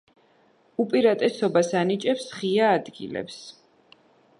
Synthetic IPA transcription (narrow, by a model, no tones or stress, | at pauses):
upʼiɾat̪ʼɛsɔbasanit͡ʃʼɛpsʁiaːd̪ɡḭlɛ̰ps